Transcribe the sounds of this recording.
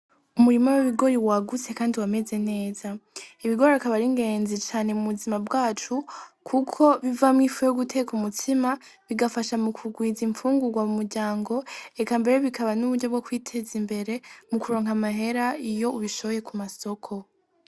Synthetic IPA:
umuɾimawiβiɡo̞ɾiwaɡut͡se̞kaːndiwame̞ze̞ne̞ːzaiβiɡo̞ɾiakaβaɾiŋɡe̞ːnzit͡ʃaːne̞muβuzimabɡaːt͡ʃukʰukʰo̞βivamŋiːfuejoɡutʰe̞kumutʰima | βiɡafaʃamukʰuɡwiːziɱfuːŋɡuɾɡwamumuɾɟaːŋɡo̞e̞kambe̞ɾe̞βikaβanuβuɾɟo̞bɡokwiːtʰe̞zimbe̞ɾe̞mukuɾo̞ːŋɦamaɦe̞ɾaijo̞uβiʃo̞βoje̞kumaso̞kʰo̞

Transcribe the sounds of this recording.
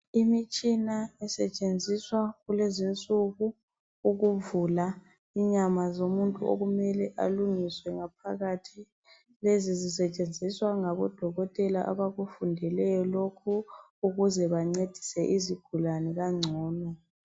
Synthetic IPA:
imit͡ʃʼinaɛsɛt͡ʃʼend͡zʱiswaɣulezint͡sʼuɣu | uɣuvula | iɲamazomuntʼuo̰ɣumɛlɛʔa̰luŋiswɛŋap̚ʰa̰ɣatʰi | lezizisɛt͡ʃʼend͡zʱiswaŋaβɔ̰d̥ʱɔɣɔtʼɛlaʔa̰βaɣufundʱɛlɛjɔlokʰu | uɣuzɛβaŋ͡ǀed̥ʱi̥sɛʔiziɡ̥ʱulanɛɣaŋ͡ǀʱɔːnɔ

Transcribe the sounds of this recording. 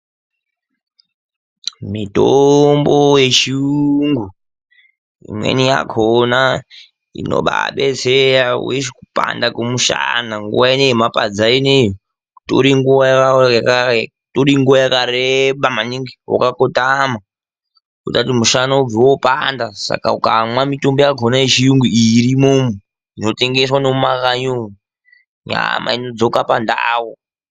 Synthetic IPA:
mitomboje̞t͡ʃiuŋɡu | ḭmwḛnija̰kʰona | ḭno̰ɓa̰ɓeseɾaweʃikupa̰ndakumuʃa̰naŋɡṵʋaineimapad͡zainejo | to̰ɾiŋɡuʋajk | toɾiŋɡuʋajakaɾeɓamaniŋɡiwo̰kakotama | kutatimuʃanaub͡viwopandasa̰kaukamwamitombojaɡʱonaiʃijuŋɡuiɾimomu | inote̞ŋɡeswano̞makaɲomu | ɲa̰ma̰inod͡zokapandawo

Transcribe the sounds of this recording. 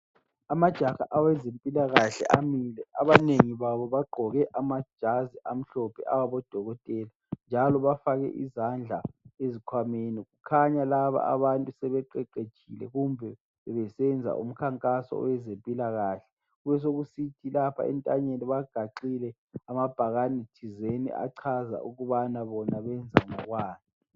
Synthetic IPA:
amad̥ʒ̥ʱaxa̰ʔawɛzempʼilaɣaɬɛ̰ʔamilɛaβaneŋiβaβɔβaɡ͡ǃʱɔɣɛʔamad̥ʒ̥ʱaziʔam̩ɬɔpʰɛʔawaβɔd̥ʱɔɣɔtʼɛːla | nd͡ʒʱalɔβafaɣɛ̰ʔḭzand͡ɮʱaezikʰwameniɣukʰaɲalaβa̰a̰βantʼusɛβɛǃɛǃed̥ʒ̥ʱilɛ̰ɣumbʱɛ | ɛβɛsɛnd͡zʱa̰ʔṵm̩kʰaŋkʼasɔ̰wɛzempʼilaɣaːɬɛ̥ | ɣuβɛs̬oɣusitʰilapʰa̰ɛ̰ntʼaɲeniβaɡ̥ʱaǃilɛ | amab̥ʱaɣanitʰizenḭʔa̰ǀʰaza̰ʔuɣuβanaβɔnaβɛnd͡zʱaŋɔɣwaːni

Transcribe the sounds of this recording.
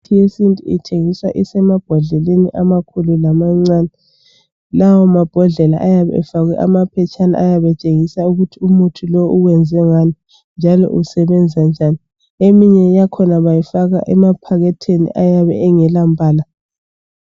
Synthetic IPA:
tʰijesintʼuḭtʰeŋisa̰ʔisɛmab̥ʱɔɮɛleniʔamakʰululamaŋ͡ǀaːnɛ | lawɔmab̥ʱɔɮɛla̰ʔajaβɛ̰ɛfaɣwɛʔamapʰɛt͡ʃʼana̰ʔajaβɛt͡ʃʼeŋisauɣutʰiumutʰulouwɛnd͡zʱɛŋani | nd͡ʒʱalɔ̰ʔusɛβɛnd͡zʱand͡ʒʱani | emiɲɛjakʰɔnaβajifaɣa̰ʔɛmapʰaɣɛtʰenḭʔajaβɛ̰ɛŋɛlampʼaːla

